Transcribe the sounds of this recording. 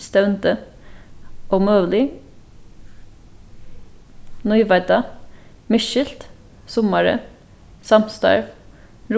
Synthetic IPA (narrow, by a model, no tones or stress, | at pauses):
st̪œʉnt̪ə | ʔɔmøːlɪ | nɔʏʋæd̪ɑ | mɪʃɪlt̪ | sʊmɑɾə̰ | sɑmst̪ɑ̰ɹʋ | ɾ